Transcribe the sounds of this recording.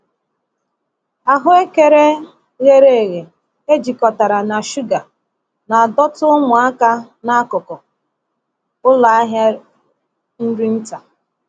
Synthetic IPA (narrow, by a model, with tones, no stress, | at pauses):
a˨ɦʊ˦e˦ke˦ɾe˦ | je˦ɾe˦e˨ɣe˨ | e˦d͡ʒi˨kɔ˨ta˨ɾa˨na˨ʃu˦ɡa˨ | na˨a˨dɔ˦tʊ˦ʊ˦mʊ˨a˦ka˦ | na˦kʊ˨kɔ˨ | ʊ˦la˨a˦ɦja˦ | n̩˦ɾi˦n̩˦ta˨